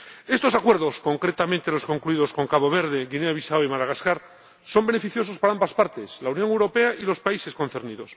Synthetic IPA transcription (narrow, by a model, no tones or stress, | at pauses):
e̞st̪o̞sakwe̞ɾðo̞sko̞ŋkɾet̪ament̪elo̞sko̞ŋkluiðo̞sko̞ŋkaβo̞β̞e̞ɾð̞e̞ɣineaβisaoimaðaɣaskaɾ | so̞mbe̞ne̞fiθjo̞so̞spaɾaambaspaɾt̪e̞slaunjo̞ŋewɾo̞pe̞aʔilo̞spaise̞sko̞n̟θeɾniðo̞s